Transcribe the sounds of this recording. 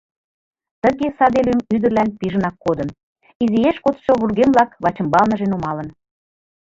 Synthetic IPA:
t̪ə̆ɣesɑd̪elʲymyd̪ərlænpiʒənɑkːod̪ə̆n | izijeʃkot̪ʃoβurɣemblɑkβɑt͡ɕə̆mbɑlnəʒenumɑlə̆n

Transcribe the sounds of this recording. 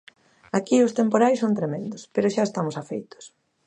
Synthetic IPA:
akiʊst̪empoɾajsõnt̪ɾemẽnd̪ʊspeɾʊʃaest̪amʊsafejt̪ʊ̥s

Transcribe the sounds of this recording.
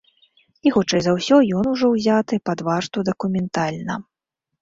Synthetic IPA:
ixɔt͡ʂɛjzɐwsʲɔjɔnuʐɔwzʲat̪ɨpad̪vaʂt̪ud̪ɐkumʲɛnt̪alʲnɐ

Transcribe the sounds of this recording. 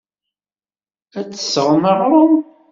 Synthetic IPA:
æt͡sːə̥səʁməʁɾəm

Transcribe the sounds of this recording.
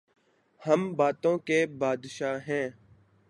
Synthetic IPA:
həmbaːt̪õːkebaːd̪ʃaːɦɛ̃ː

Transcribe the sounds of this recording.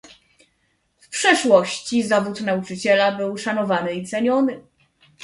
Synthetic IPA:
fpʂɛʂwɔɕt͡ɕizavut̪naut͡ʂɘt͡ɕɛlabɘwʂanɔvanɘit̪sɛɲɔnɘ

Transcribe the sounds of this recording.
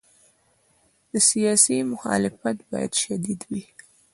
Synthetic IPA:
d̪̥əsijɑsimʊxɑ̰lɪfat̪bɑja̰d̪̥ʃad̪id̪wi

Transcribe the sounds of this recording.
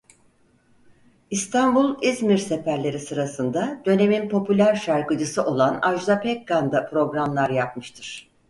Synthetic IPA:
ist̪ʰanbulˠizmiɾse̞fæɾlʲe̞ɾisɯɾasɯnd̪ad̪̥ø̞ne̞minpʰo̞pylʲæɾʃaɾkɯd͡ʒɯsɯʔo̞lˠanaʒd̪apʰɛk̚ɡand̪apʰɾo̞ɡɾamlˠaɾjapmɯʃt̪ʰɯɾ̥

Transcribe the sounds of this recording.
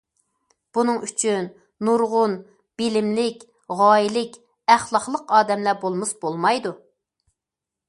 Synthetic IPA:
b̥unɨŋyt͡ʃʰynː | uɾʁʊn | b̥ɪlɪmlɪkʲ | ʁɑːilɪkʲ | æχlˠɑχlˠəqɑːd̪ɛmlæbolˠmɨsbolˠmɑjd̪u

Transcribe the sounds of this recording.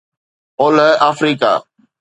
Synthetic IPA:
oːləʔaːfɾiːka̰ː

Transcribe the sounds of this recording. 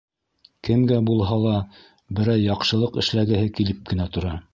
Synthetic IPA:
kɘmɡæbulˠɦɑlˠɑ | bɘ̆ɾæjjɑqʃɤ̆lˠɤqɘ̆ʃlæɡɘ̆ɦɘkilɘp̚kɘ̆næt̪ŏɾɑ

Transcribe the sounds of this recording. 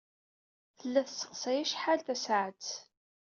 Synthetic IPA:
θəlːæθsə̥qsæjæʃħalθæsʕət͡s

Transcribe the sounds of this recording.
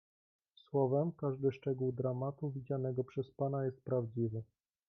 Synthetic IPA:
swɔvɛmkaʐd̪ɘʂt͡ʂɛɡuwd̪ɾamat̪uvʲid͡ʑanɛɡɔpʂɛspanajɛst̪̚pɾavd͡ʑivɘ

